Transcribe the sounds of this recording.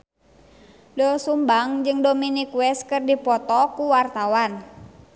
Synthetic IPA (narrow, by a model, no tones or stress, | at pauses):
dɔsumbaŋd͡ʒɨŋdominikuɛskɨrdipɔt̪ɔkuwart̪awan